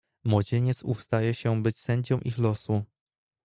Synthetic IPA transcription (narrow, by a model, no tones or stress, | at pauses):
mwɔd͡ʑeɲɛt̪sufst̪ajɛɕɛbɘt͡ɕsɛɲd͡ʑɔ̃wʔixlɔsu